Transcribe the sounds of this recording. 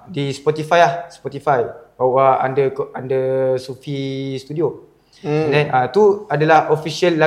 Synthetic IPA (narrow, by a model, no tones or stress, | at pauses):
dispɔt̪ifajahspɔt̪ifajbawaa̰ndəkandəsufist̪udio | ɛndɛnat̪uadalahofisialːa